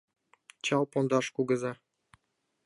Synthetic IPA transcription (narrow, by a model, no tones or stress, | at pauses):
t͡ɕɑlˠpond̪ɑʃkuɡɤ̆zɑ